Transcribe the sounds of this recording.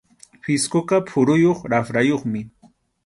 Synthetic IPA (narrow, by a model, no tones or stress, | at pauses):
fɪskokapʰʊɾʊjoχɾafɾajoχmɪ